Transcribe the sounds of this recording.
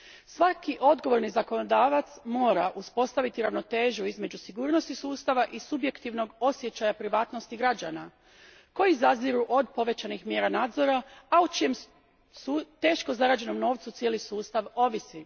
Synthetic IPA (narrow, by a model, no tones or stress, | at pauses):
sʋakiʔo̞d̪ɡoʋo̞ɾnizako̞nod̪aːʋat̪smo̞ːɾaʔuspo̞st̪aʋit̪iɾaʋno̞t̪e̞ːʒuizme̞d͡ʑusiɡuːɾno̞st̪isuːst̪aʋaʔisubje̞kt̪iʋno̞ɡo̞sje̞t͡ɕajapɾiʋaːt̪no̞st̪iɡɾad͡ʑana | ko̞jizaziɾuʔod̪̚po̞ʋe̞t͡ɕanixmje̞ːɾanaːd̪zo̞ɾaaut͡ʃije̞m | sut̪e̞ːʃkozaɾaːd͡ʑe̞no̞mno̞ːʋt̪sut̪sje̞lisuːst̪aʋo̞ʋisi